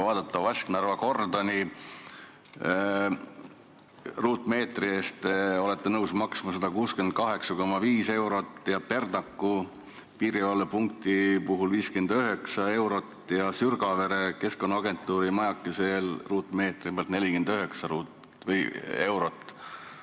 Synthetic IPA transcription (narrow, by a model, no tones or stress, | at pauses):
vɑːd̪̥ɑt̪ːˑɑɑsknærvɑko̞rd̪ɑni | ruːt̪me̞ːt̪rieːst̪o̞le̞t̪ːenɤwsmɑksmɑsed̪̥ɑkuːskend̪̥̚kɑɦe̞ksɑko̞mːɑviːse̞wɾo̞t̪ːˑjɑpe̞rd̪nɑkːu | piːɾiɑlːepuŋk̚t̪ipuɦulviːske̞nd̪̥øɦe̞ksɑe̞wɾo̞t̪ːjɑsyrɡ̥ɑve̞ɾeke̞sko̞nːɑɑɡe̞nt̪ːˑuːɾimɑjɑkˑːise̞lruːt̪ːˑme̞ːt̪ripeɑlt̪ne̞lʲikend̪̥øɦe̞ksɑɾuːt̪ | vɤje̞wɾo̞t̪ːˑ